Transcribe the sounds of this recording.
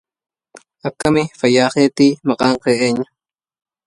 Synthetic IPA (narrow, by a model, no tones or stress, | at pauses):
akamɪfajaːχeːt̪iːmɑqʼɑɴqeʔeɲa